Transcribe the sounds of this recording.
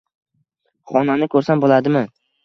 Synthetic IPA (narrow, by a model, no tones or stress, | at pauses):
χɒnanɪkʰɵɾsambolˠad̪ɪma